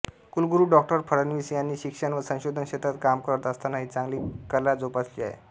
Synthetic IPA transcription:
kulɡuɾuːɖɔk̚ʈəɾpʰəɽənʋisianiːɕikʂənʋəsə̃w̃ɕod̪ʱənɕet̪ʰat̪kamkəɾət̪əst̪anaɦit͡sãŋɡliːkəlad͡zopat͡slia̰ɦḛ

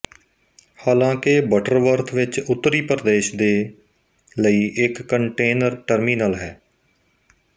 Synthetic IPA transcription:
haːlãːkebəʈəɾʋəɾt̪ʰʋɪt͡ʃʊt̪ːəɾiːpəɾd̪eːʃd̪eː | ləiːʔɪkːəɳʈeːnəɾʈəɾmiːnaːlɦɛː

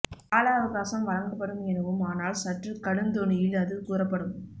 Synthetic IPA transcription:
aːlaːɐʋɐɣaːsɐmʋɐɻɐŋɡɐpːɐɽɯmɛnɐʋɯmaːnaːlsɐʈrɯkɐɽɯnd̪ɔɳɪjɪlɐðɯkuːrɐpːɐɽɯm

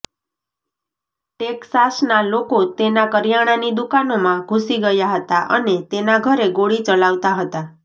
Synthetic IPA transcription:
ʈeksasnalokot̪enakəɾjaɽ̃anid̪ukanomãɡʱusiɡəjaɦət̪aʔənet̪enaɡʱəɾeɡoɽit͡ʃəlaʋt̪aɦət̪a

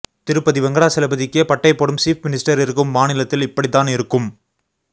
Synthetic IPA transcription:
t̪ɪɾɯpːɐðɪʋɐŋɡɐɭaːsɛlɐbɐðɪkːjɐpɐʈːɐɪpːoːɽɯmsiːfmɪnɪsʈɐɾɪɾɯkːɯmːaːnɪlɐt̪ːɪlɪpːɐɽit̪ːaːnɪɾɯkːɯm

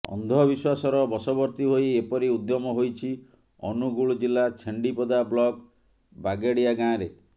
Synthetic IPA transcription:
ɔ̰nd̪ʱɔbiswasɔɾɔbɔsɔbɔɾt̪iɦojepɔɾiud̪jɔmɔɦojt͡ʃʰi | ɔnuɡuɭd͡ʒilːat͡ʃʰeɳɖipɔd̪ablɔk | baɡeɽijaɡãɾe

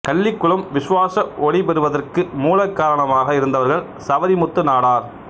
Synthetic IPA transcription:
kɐɭːɪkːɯɭɯmʋɪsʊʋaːsɐɔɽɪpɛɾɯʋɐðɐrkɯmuːlɐkːaːɾɐɳɐmaːɣɐɪɾɯnd̪ɐʋɐɾɣɐɭ | sɐʋɐɾimʊt̪ːɯnaːɽaːɾ

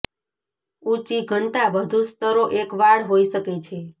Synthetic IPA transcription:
ut͡ʃiɡʱənt̪abəd̪ʱũst̪əɾoʔekʋaɽɦoiʃəket͡ʃʰe

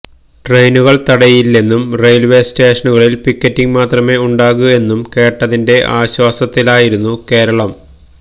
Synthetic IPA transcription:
ʈre̞jnuɣɐɭt̪ɐɽɐjilːe̞nːumrejlʋe̞ːste̞ːʂɐnuɣɐɭilpikʲːɐtːiŋmaːt̪rɐme̞uɳɖaːɣue̞nːumke̞ːʈːɐðinde̞ʔaːɕwaːsɐt̪ːilaːjiɾunːuke̞ːɾɐɭɐm

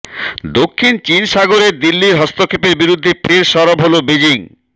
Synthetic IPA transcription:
d̪okʰːint͡ɕinʃaɡoɾeɾd̪ilːiɾɦɔst̪okʰepeɾbiɾud̪ʱːepʰeɾʃɔɾobɦolobed͡ʑiŋ

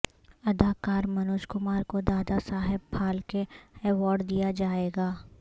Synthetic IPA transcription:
ɐd̪ʱaːkaːɾmɐnoːʃkʊmaːɾkod̪aːd̪asaːɦɪbpʰaːlkeɛʋaːɾɖd̪ijad͡ʒaːeːɡaː

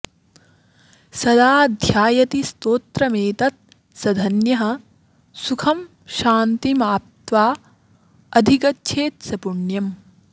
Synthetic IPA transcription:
sɐd̪aːd̪ʱjaːjɐt̪ist̪oːt̪ɾɐmeːt̪ɐt̪̚ | sɐd̪ʱɐnjɐɦɐ | sukʰɐm | ʃaːnt̪imaːp̚t̪ʋaː | ɐd̪ʱikɐtːʃʰeːt̪̚sɐpuɳjɐm

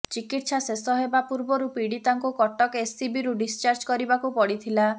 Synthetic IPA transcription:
t͡ʃikiʈsasesɔɦebapuɾbɔɾupiɽit̪aŋkukɔʈɔkesibiɾuɖist͡ʃaɾd͡ʒkɔɾibakupɔɽit̪ʰila

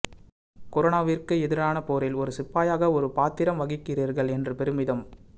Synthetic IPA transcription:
kɔɾonaːʋɪrkɯɛðɪɾaːnɐpoːɾɪlɔɾɯsɪpːaːjaːɣɐɔɾɯpaːt̪ːɪɾɐmʋɐɣɪkːɪriːɾɣɐɭɛndrɯpɛɾɯmɪðɐm

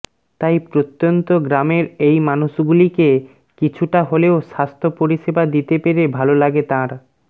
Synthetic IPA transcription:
t̪ajpɾot̪ːont̪oɡɾameɾejmanuʃɡulike | kit͡ɕʰuʈaɦoleoʃast̪ʰopoɾiʃebad̪it̪epeɾebʱalolaɡet̪ãɾ

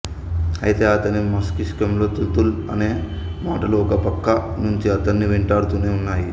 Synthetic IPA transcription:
ɐ̰jit̪e̞ːɐt̪ɐnimɐskiskɐmlo̞ːt̪ult̪ulɐne̞ː | maːʈɐluɔkɐpɐkːɐnuɲt͡ʃiɐt̪ɐnːiʋiɳʈaːɽut̪une̞ːunːaːji

